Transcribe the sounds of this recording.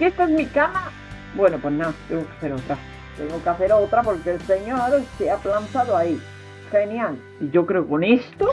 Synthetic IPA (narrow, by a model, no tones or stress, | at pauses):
kest̪aeŋmikama | bwenopwesnat̪eŋɡokeaθeɾot̪ɾa | t̪ḛŋɡokeaθeɾot̪ɾapo̞ɾkelseɲoɾseaplant̪aðoai | xenjal | iʝo̞kɾeoko̞nest̪o